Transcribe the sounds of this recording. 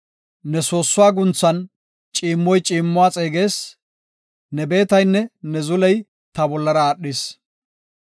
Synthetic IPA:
nɛso̞ːsːʊwaːɡʊnt͡sːɐn | t͡ʃʼiːmːɔjt͡ʃʼiːmːʊwaːt͡sʼe̞ːɡeːs | nɛbe̞ːt̪ɐjnːɛnɛzʊlɛj | t̪ɐbɔlːɐɾɐaːɗːɪs

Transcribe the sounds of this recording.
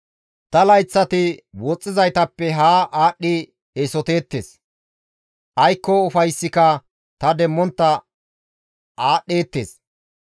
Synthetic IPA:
t̪ɐlɐjt͡sːɐt̪ɪwɔt͡sʼːɪzɐjt̪ɐpːɛɦaːʔaːɗːɪ | esɔt̪e̞ːt̪ːḛːs | ʔɐjkːɔʊfɐjsːɪkɐ | t̪ɐd̪ɛmːɔnt̪ːɐ | aːɗːe̞ːt̪ːe̞̰ːs

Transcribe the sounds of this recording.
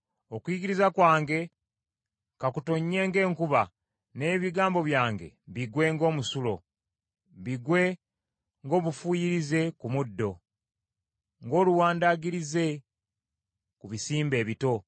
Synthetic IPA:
okwiɡiɾizakwaːŋɡe̞ | kakutoɲːe̞ːŋɡe̞ːŋkuβa | ne̞ːβiɡaːmbo̞βjaːŋɡe̞̰βiɡwe̞ŋɡo̞ːmusulo̞̰ | βiɡwe̞ | ŋɡo̞ːβufujiɾize̞kumudːo̞ | ŋɡo̞ːluwaːndaɡiɾize̞ | kuβisiːmbe̞ːβito̞

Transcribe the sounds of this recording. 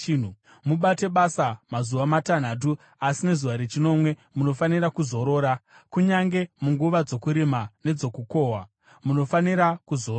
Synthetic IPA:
nu | muɓate̞ɓasamazuʋamatan̤at̬u | asine̞zuʋaɾet͡ʃino̞mwe̞muno̞faniɾakuzo̞ɾo̞ːɾa | kuɲaŋɡe̞muŋɡuʋad͡zo̞kuɾemane̞d͡zo̞kuko̞ːɦa | muno̞faniɾakuzo

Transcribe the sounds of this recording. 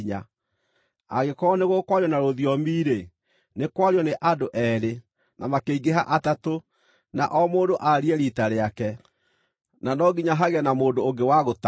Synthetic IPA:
ɲa | aɣekɔneɣokwaɾiɔnaɾoðiɔmiːɾe | nekwaɾjɔneʔadoʔɛːɾe | nʔamakeiɡeɦaʔatato | naʔɔmoːdoʔaɾiɛɾitaɾeakɛ | nanɔɡiɲaɦaɣɛnamoːndoːŋɡewaɣota

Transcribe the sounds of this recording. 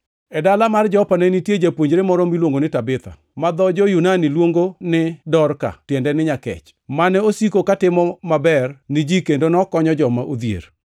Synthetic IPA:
ɛdalamard͡ʒɔpanenitjed͡ʒapwoɲd͡ʒɾemɔɾɔmilwoŋɡonɪtabɪt̪a̰ | mad̪ɔd͡ʒojunanilwoŋɡonɪdɔrka̰tjɛndɛnɪɲakɛ̰t͡ʃ | manɛosikokatɪmɔmabɛrnɪd͡ʒikendonɔkɔɲɔd͡ʒɔmaʔod̪jḛɾ

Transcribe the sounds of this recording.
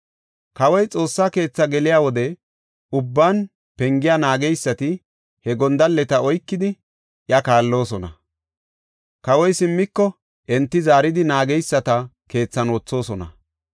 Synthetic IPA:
kɐwɔjt͡sʼo̞ːsːaːke̞ːt͡sːɐɡɛlɪjaːwɔd̪ɛ | ʊbːaːn | pɛŋɡɪjaːnaːɡɛjsːɐt̪ɪ | hɛɡɔnd̪ɐlːɛt̪ɐɔjkːɪd̪ɪ | ʔjɐkaːlːo̞ːsɔnɐ | kɐwɔjsɪmːɪkːɔ | ʔɛnt̪ːɪzaːɾɪd̪ɪnaːɡɛjsːɐt̪ɐ | ke̞ːt͡sːɐnoːt͡sːo̞ːsɔnɐ̰

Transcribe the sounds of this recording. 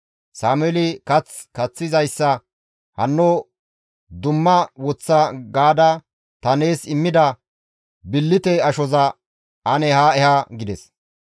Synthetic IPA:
saːmʊɛlɪkɐt͡s | kɐt͡sːɪzɐjsːɐ | hɐnːo | d̪ʊmːɐwɔt͡sːɐɡaːd̪ɐ | t̪ɐneːsɪmːɪd̪ɐ | bɪlːɪt̪ɛɐʃɔzɐ | ɐnɛhaɛhɐɡɪd̪ɛs

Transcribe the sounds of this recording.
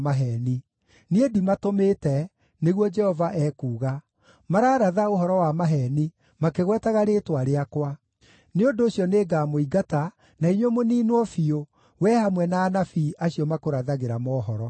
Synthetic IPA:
maɦɛni | niedimatomeːtɛ | neɣwɔd͡ʒɛhɔvaʔɛːkuːɣa | maɾaːɾaðaoɦɔɾɔwamaɦɛni | makeɣwɛtaɣaɾetwaɾeakwa | neondoːɕjɔneːɡaːmoiɡata | naiɲwomoniːnwɔfio | wɛhamwɛnaːnafiʔaɕjɔmakoɾaðaɣeɾamɔːɦɔɾɔ

